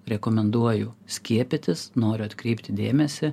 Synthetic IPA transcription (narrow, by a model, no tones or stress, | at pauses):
ɾʲɛkomʲɛnd̪uɔjʊsʲkʲiɛpʲɪt̪ʲɪsnoːɾʲʊɐt̪ʲkɾʲɛɪpʲt̪ʲɪd̪ʲeːmʲɛsʲɪ